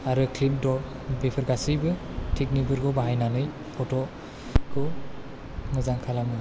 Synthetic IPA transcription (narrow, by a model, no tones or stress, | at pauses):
aɾɯkʰlipdɔ | bipʰɯɾɡasɯjbɯ | tʰik̚nibɯɾɡɔbaɦajnanɯj | pʰɔtʰɔ | kʰɯ | ŋɯzaŋkʰalamɯ